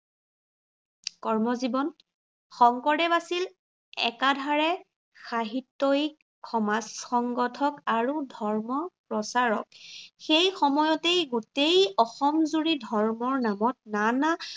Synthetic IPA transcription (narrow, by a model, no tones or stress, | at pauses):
kɔɹmɔzibɔn | xɔŋkɔɹdɛbasil | ɛ̰kadʱaɹɛ | xaɦitːɔjʰ | ɔmasxɔŋɡɔtʰɔkaɹudʱɔɹmɔpɹɔsaɹɔ̰k̚xejxɔmɔjɔtejɡutejɔxɔmzuɹidʱɔɹmɔɹnamɔt̚nana